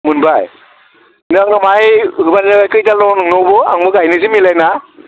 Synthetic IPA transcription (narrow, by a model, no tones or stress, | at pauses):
mɯnbaj | nɯaŋnamajɦɯbannɯɡajkɯjtalɔnɯŋnɔbɯa̰ŋmɯɡajnɯzimilajna